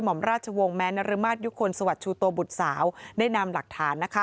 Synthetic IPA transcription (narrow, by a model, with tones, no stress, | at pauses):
jmɔ˩˦mɾaː˥˩t̪̚t͡ɕʰa˧wo˧ŋmɛː˦˥na˧ɾɯ˧maː˥˩t̪̚ju˦˥kʰo˧nsa˧wa˨˩t̪̚t͡ɕʰuː˧t̪u˧bu˨˩t̪̚saː˩˦wdaː˥˩jna˧mla˨˩k̚t̪ʰaː˩˦nːa˦˥kʰa˦˥